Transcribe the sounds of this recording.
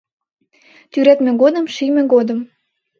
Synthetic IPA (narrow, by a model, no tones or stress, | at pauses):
t̪yɾæt̪mĕɣod̪ə̆mʃimĕɣod̪ə̆m